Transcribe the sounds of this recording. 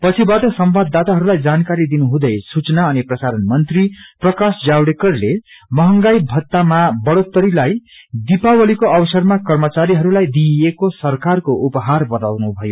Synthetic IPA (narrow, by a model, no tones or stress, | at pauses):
pʌt͡sʰibaʈʌsʌmbad̪ːat̪aɦʌɾulajd͡zankaɾid̪inuɦũd̪ʌjsut͡snaʌniprʌsaɾʌnmʌnt̪riprʌkasd͡zawɽekʌrle | mʌɦʌŋɡajbʱʌt̪ːamabʌɽot̪ːʌɾilaj | d̪ipawʌlikoʌbʌsʌrmakʌrmʌt͡saɾiɦʌɾulajd̪iekosʌrkarkoʔupʌɦarbʌt̪awnubʱʌjo